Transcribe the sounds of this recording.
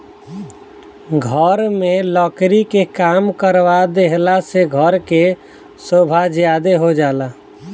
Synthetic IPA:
ɡʱəɾmelɔkɾikekaːmkəɾʋad̪eɦlaseɡʱəɾke | sobʱad͡ʒjad̪eɦod͡ʒaːla

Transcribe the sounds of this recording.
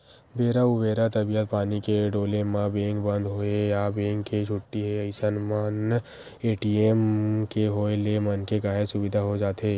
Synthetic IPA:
beːɾaʊbeːɾat̪ɐbiət̪̚paːnikeɖoːlemãbẽːŋkbɐ̃nd̪ɦoːejabẽːŋkːed͡ʒʰʱʊʈːiɦɛəɪsənmən | eːʈiemkeɦoːelemɐnkekaːɦesʊbɪd̪ʱaɦod͡ʒaːt̪eː

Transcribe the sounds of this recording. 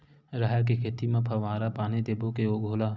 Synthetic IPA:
ɾaːɦk̬ekʰeːt̪imẽpʰaʋaːɾapaːned̪eːbokeoːɡʱoːlaː

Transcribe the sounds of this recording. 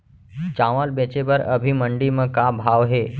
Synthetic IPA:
t͡ʃaʋəlbẽt͡ʃebəɾə̰bʱiməɳɖimẽkabʱaːʋɦe

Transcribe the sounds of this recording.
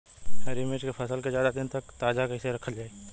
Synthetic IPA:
hɛɾɪmeːd͡ʒkepʰɐsəlkezjaːd̪ad̪ɪnt̪ɐkt̪aːd͡ʒakɐɪseɾɐkʰəld͡ʒaːe

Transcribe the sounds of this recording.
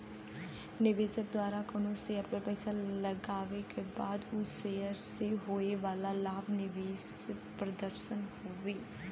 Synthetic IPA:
nɪʋeːd͡ʒək̚d̪waːɾakənõːseːəɾpəɾpɛːsaləɡaːʋekebaːd̪useːəɾseɦoːeʋaːlalaːbnɪʋeːspɾəd̪əɾʃənhoːʋeː

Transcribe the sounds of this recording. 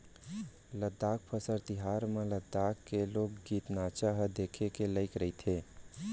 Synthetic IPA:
ləd̪ːaːk̚pʰəsəɾt̪ɪɦaːɾmẽləd̪ːaːkːeloːɡɡiːt̪naːt͡ʃaɦəd̪eːkʰekeləɪkɾəit̪ʰe

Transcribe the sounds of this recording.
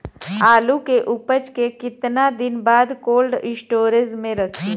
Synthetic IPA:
aːlukeʔʊpət͡ʃkekɪt̪nad̪ɪnbaːd̪koːlɖɪsʈoːɾɪzmẽɾɐkʰiː

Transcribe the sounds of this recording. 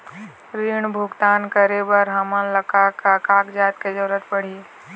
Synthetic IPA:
ɾiːɳbʱʊɡt̪aːnkəɾebəɾɦɐmənləkakakaːkd͡ʒaːt̪ked͡ʒəɾət̪pəɽ̤i

